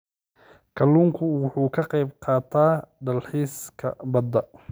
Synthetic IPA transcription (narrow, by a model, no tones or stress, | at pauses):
kʰɐlːuːŋkʰʊwʊħuːkʰɐqɑjbqɑːt̪ʰaːɖɐlħiːskʰɐ̰bɐd̪ɐ